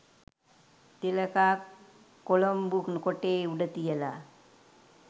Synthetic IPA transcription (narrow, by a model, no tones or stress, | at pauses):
t̪iləkaːkː | olombuknəkoʈeːuɖɐt̪ijəla